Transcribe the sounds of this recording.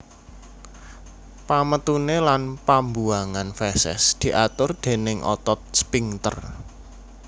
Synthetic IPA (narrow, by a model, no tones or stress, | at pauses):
pamət̪unelanpambuaŋanfɛsɛ̰sd̪̥i̤ʔat̪ʊrd̪̥e̤nɪŋʔɔ̰t̪ɔt̪̚spiŋt̪ə̰r